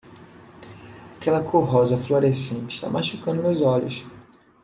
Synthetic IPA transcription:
akɛlɐkʰoɦɔzɐfloɾesẽnt͡ʃɪ̥ʃt̪a̰mʔaʃukɐ̃d̪ʊmewzɔʎʊ̰s

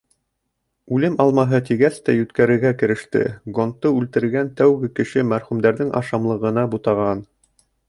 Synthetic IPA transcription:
ʉlɘmɑlˠmɑɦɤt̪̬iɡæst̪æjʉt̪kæɾɘ̆ɾɡækɘ̆ɾɘ̆ʃt̪ɘ̰ɡont̪ːɤʉlt̪ɘ̆ɾɘɡænt̪æwɡɘkɘ̆ʃɘmæɾχʉmd̪æɾðɘŋʔɑ̰ʃɑmlˠɤ̆ʁɤ̆nɑbut̪ɑʁɑn

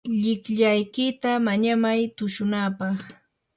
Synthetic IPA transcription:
ʎɪkʎajkɪt̪amaɲamajt̪ʊʃʊnaːpɑχ

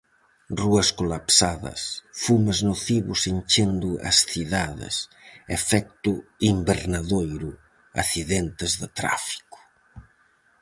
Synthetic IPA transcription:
ruɐskolapsaðɐ̰sfuməznoθiβusinʲt͡ʃend̪ʊɐ̰sθiðaðɪ̰sefɛk̚t̪uimbeɾnaðojɾu | aθiðɛnt̪ezðət̪ɾa̰fi̥ku̥

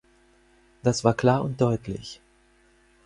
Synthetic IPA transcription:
d̥asv̥aːɐkl̥aːɐʊnt̚d̥ɔʏtʰlɪ̰ç

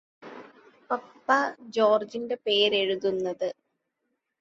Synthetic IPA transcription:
pɐpːɐd͡ʑo̞ːrd͡ʑinde̞pe̞ːɾe̞ɻuðunːɐðɨ

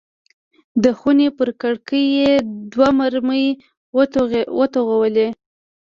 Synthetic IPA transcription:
d̪əxunepəɾkaɽkəjed̪wamaɾməj | wət̪oɣawəle

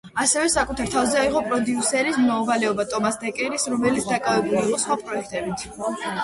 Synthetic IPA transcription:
asɛvɛsakʼut̪ʰaɾt̪ʰavzɛaiʁɔpʼɾɔd̪iusɛɾismmauvalɛɔbat̪ʼɔmasd̪ɛkʼɛɾisɾɔmɛlit̪sd̪akʼavɛbuliːqʼɔsχwapʼɾɔɛkʰt̪ʼɛbit̪ʰ

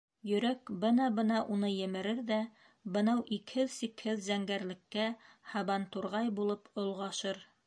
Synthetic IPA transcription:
jɵ̆ɾækbɤnɑbɤnɑʔunɤjɘ̆mɘ̆ɾɘɾðæ | bɤ̆nɑwʔikhɘðsikhɘðzæŋɡæɾlɘ̆kːæhɑβɑnt̪uɾʁɑjbulˠɤpŏlˠʁɑʃɤɾ

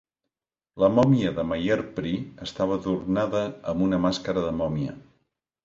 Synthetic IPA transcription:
ləmɔmiəðəmajəɾpɾiəst̪aβ̞əðurnaðəːmbunəmaskəɾəðəmɔmjə̰

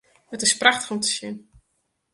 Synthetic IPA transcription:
ətɪspraxtə̥χɔmtə̥sjɪn

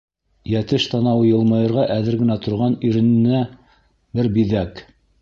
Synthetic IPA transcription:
jæt̪ɘʃt̪ɑnɑwɤjɤ̆lˠmɑjɤ̆ɾʁɑʔæðɘɾɡɘ̆næt̪ŏɾʁɑniɾɘ̆nɘ̆næ | bɘɾbiðæk

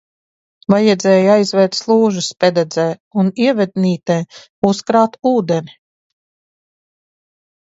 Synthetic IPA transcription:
vajɛd̪zʲɛːjajzvɛːɾt̪slˠuːʒuspʲɛd̪ɛd̪zɛːuniɛvɛd̪̚niːt̪ɛː | uskɾaːt̪uːd̪ɛnʲi

